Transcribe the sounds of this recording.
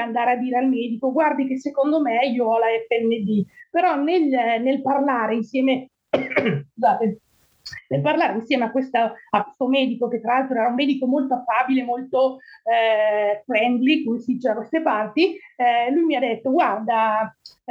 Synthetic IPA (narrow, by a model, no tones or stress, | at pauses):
and̪aːɾead̪ːiːɾealmɛːd̪ikoɡward̪ik̬esːekond̪omeiːoalaɛfɛnːed̪ipeɾɔnelnelparlaːɾeinsjɛːme | skuzaːt̪e | nelparlaːɾeinsjɛːmeakːwest̪aakwe̥st̪omɛːd̪ikoket̪ːɾalalt̪ɾoɛːɾaumːɛːd̪ikomolt̪oafːaːbilemolt̪o | fɾɛnd̪likumsit͡ʃɛakwest̪epart̪ilujmiad̪ːet̪ːoɡward̪a